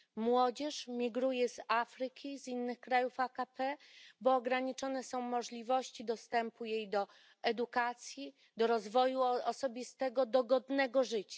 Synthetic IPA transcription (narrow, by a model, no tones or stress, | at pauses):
mwɔd͡ʑɛʂmʲiɡɾujɛzafɾɘkʲizinːɘxkɾajufakapɛbɔːɡɾaɲit͡ʂɔnɛsɔ̃w̃mɔʐlʲivɔɕt͡ɕid̪ɔst̪ɛmpujejd̪ɔ | ɛd̪ukat̪sʲji | d̪ɔɾɔzvɔjuɔsɔbʲist̪ɛɡɔd̪ɔɡɔd̪nɛɡɔʐɘt͡ɕa